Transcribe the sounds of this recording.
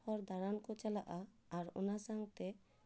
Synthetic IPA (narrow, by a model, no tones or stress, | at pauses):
ɔɾd̪aɽankɔt͡ʃalaʔaː | ɾɔ̰nasaŋt̪ɛ